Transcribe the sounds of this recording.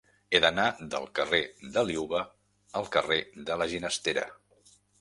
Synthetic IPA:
eðənad̪ə̰lˠkəreðəliuβə | əlˠkəreðələʒinəst̪eɾə̰

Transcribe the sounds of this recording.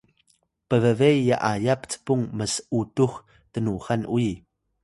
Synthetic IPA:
pəvəvejːaʔajapt͡sə̥puŋməsəutux | tənuχanʔui

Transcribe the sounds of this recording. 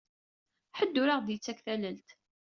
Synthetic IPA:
ħəd̪ːʊɾaʁðjət͡sːækθæləlt̪

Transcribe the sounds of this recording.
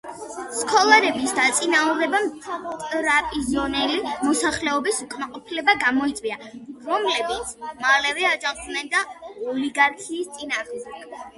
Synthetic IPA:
skʰɔlˠaɾɛbisd̪at̪sʼinaɔɾɛbamt̪ʼɾapʼizɔnɛlimɔsaχlɛɔbisukʼmaqʼɔpʰilɛbaɡamɔit̪sʼwiaɾɔmlɛbit̪sʰmalɛvɛad͡ʒad̪nɛnd̪aɔliɡaɾkʰiːst̪sʼinaʁmd̪ɛ

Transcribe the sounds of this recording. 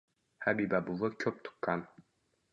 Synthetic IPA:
habibæbulˠɤkʲʰɵp̚t̪u̥qːɑn

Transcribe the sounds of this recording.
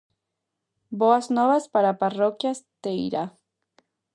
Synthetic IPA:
boaznoβaspaɾaparokjast̪eḭɾa

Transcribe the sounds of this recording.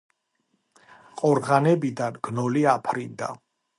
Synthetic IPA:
qʼɔɾʁanɛbid̪anɡ̥nɔliapʰɾind̪a̰

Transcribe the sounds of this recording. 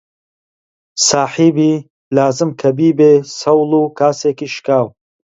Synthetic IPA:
saːħiːbiː | laːzɨmkʰɐbiːbeːsɐwlˠuːkʰaːseːkiːʃkaːw

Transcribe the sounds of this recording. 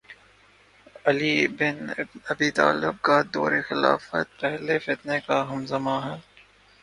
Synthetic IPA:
ɐliːbɪnɐbiːt̪a̰ːlɪb̚kad̪ɔ̰ːɾexɪla̰ːfə̰t̪̚pɛɦlefɪt̪nekaɦɐmzɐmaɦɛː

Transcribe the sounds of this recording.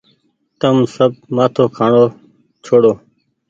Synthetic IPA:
t̪əmsəb̚maːt̪ʰoːkʰaːɳoː | t͡ʃʰoːɽoː

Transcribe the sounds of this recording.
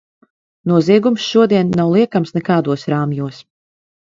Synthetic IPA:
nuɔziɛɡumsʃuɔd̪iɛnːawlˠiɛkamsnɛkaːd̪uɔsɾaːmjuɔs

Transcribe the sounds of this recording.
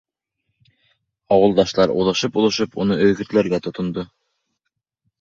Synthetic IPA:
ɑwɤ̆lˠd̪ɑʃlˠɑɾuðˠɤ̆ʃɤpulˠɤ̆ʃɤpunɤʔɵ̆jɡɘ̆t̪læɾɡæt̪ŏt̪ŏnd̪ɤ

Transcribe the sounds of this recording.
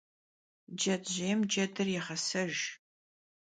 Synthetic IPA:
d͡ʒɐdʑeːmd͡ʒɐdɨrjɛχɐsɐʒ

